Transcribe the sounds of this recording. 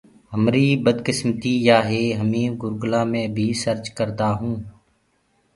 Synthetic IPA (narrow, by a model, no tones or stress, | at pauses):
ɦəmɾiːbəd̪kɪsmt̪iːjaːɦeːɦəmĩːɡʊɾɡʊlaːmẽːbʱiːsəɾt͡ʃkəɾd̪aːɦũː